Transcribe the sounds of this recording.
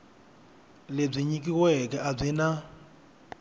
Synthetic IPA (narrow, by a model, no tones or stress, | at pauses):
leb͡ʐʷiɲikʼiwɛkʼɛʔab͡ʐina